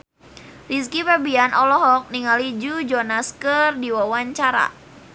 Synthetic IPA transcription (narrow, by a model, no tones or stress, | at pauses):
ris̬kifabianʔɔlɔɦɔk̚niŋalid͡ʒud͡ʒɔnaskərdiwawaɲt͡ʃaɾa̰